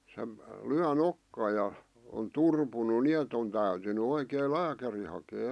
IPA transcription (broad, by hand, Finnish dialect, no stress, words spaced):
se lyæ nokːɑː jɑ on turpunu niet on tæytyny oikeː læːkæri hɑkeː